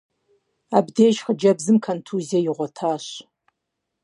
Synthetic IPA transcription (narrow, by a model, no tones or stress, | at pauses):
aːbdeːʒχəd͡ʒɐbzɨmkʰɐntʰuziɐjɪʁʷɔtʰaːɕ